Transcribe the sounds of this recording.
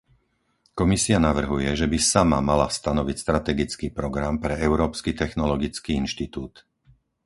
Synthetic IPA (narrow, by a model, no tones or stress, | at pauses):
kɔmisianaʋr̩ɦujɛʒɛbisama̰mala̰st̪anɔʋicst̪ɾat̪ɛɡit͡skiːpɾɔɡɾampɾɛɛʊɾɔːpskiːt̪ɛxnɔlɔɡit͡skiːinʃt̪it̪uːt̪